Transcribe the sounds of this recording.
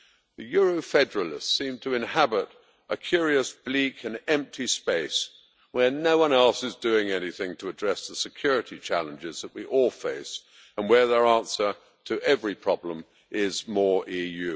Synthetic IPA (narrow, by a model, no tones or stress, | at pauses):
ðɨjʊɹoʊfɛdə˞əl̩ˠɪ̰stsĩmtʰɨɨ̃nhæbɪɾ | ʔəkʰj̥ʊɹiɨsb̥likʰɨ̃nɛ̃mp̚tʰispeɪs | wə˞noʊwʌ̃nɛlˠsɨzdʉɪ̃ŋɛniθɪ̃ŋtʰəːdɹɛsðəsɨkʰj̥ʊɹɨɾit͡ʃʰælˠə̃nd͡ʒɪzðəʔ̚wiʔɔlˠfeɪs | ə̃nwə˞ðə˞ɑ̃nsə˞ | ɾʰɨʔɛvɹipʰɹ̥ɑblə̃m | ʔɪzmɔɹijʉ